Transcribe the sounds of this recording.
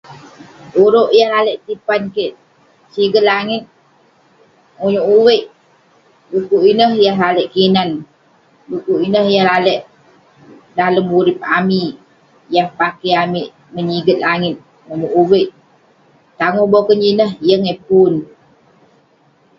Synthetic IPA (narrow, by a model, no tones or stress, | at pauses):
uɾoʔjahlaləʔt̪ipankeʔ | siɡət̪̚laŋɪt̪̚ | ŋuɲuʔuwəʔ | bukuʔinəhjahlalɛʔkinan | bukuʔinəhjahlalɛʔ | daləmuɾip̚ami | jahpakəjamiʔ | məɲiɡət̪̚laŋɪt̪̚ | ŋuɲuʔuwəʔ | t̪aŋohbokəɲinəhjəŋepun